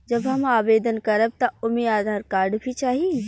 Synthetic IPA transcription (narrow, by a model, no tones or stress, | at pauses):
d͡ʒɐbɦɐmaːʋeːd̪ənkɐɾəb̚t̪ɐʊmiaːd̪ʱaːɾkaːɾɖbʱit͡ʃaːɦi